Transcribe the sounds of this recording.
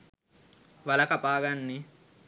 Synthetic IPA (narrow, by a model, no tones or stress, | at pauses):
ʋɐlɐkapaːɡanːi